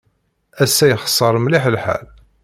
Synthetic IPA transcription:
æsæjəχsˤːəɾˤmliħəlħa̰l

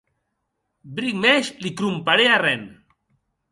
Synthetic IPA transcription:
bɾikmɛʃlikɾumpaɾearɛn

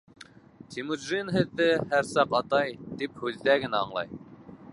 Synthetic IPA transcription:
t̪ʰʲimud̪ʒinɦɘ̆ðːɘhæɾsɑqɑt̪ɑjt̪iphʉðːæɡɘ̆næɑɴlˠɑ̰j

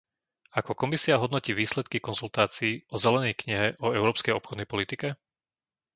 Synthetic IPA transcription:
akɔkɔmisiaɦɔd̪nɔciːʋiːslɛt̪kikɔnzult̪aːt͡siːʔɔzɛlɛnɛjkɲiɦɛʔɔɛʊɾɔːpskɛjɔpxɔd̪nɛjpɔlit̪ikɛ

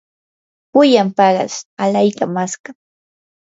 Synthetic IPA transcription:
pʊjampɑɢɑ̰salajkamaska

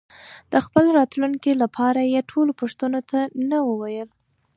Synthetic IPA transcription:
d̪̥əxpəlɾɑt̪luŋkilapʰɑɾajeʈʰolopoʂt̪anot̪ʰanawəwajəl

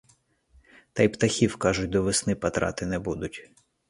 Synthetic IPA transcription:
t̪ɑjpt̪ɐxʲiwkɑʒʊt̚ʲd̪ɔʋɪsnɪpɐt̪ɾɑ̰t̪ɪnɛbud̪ʊtʲ

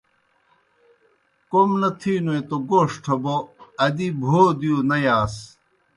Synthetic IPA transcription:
komnɐt̪ʰiːnoet̪oɡoːʂʈʰɐboɐd̪ibʱoːd̪ijonɐjaːs

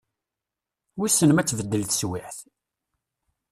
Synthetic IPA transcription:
wisənmæt͡sːvəd̪ːəlθswɪħθ

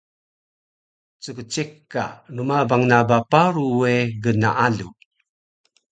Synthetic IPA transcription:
t͡səkət͡ʃekːa̰numabaŋnabapaɾueɡəna̰ʔalṵ

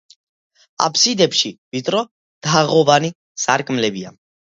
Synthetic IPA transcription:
a̰pʰsid̪ɛpʃivit̪ʼɾɔ | d̪̥aʁɔvani | saɾkʼmlɛbia̰

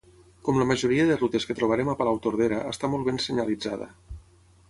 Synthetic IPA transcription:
kɔmləməʒuɾiəðərut̪eskət̪ɾoβəɾemapalawt̪oɾð̞eɾəːst̪amɔlˠβensəɲalid͡zaðə̰

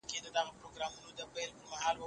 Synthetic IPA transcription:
ked̪əd̪aɣapɾoɡɾɑmunod̪əbalpʊxahɑlwə

